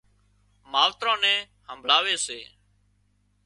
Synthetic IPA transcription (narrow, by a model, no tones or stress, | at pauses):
maːʋt̪ɾãːnɛ̃ː | həmbʱlaːʋeːseː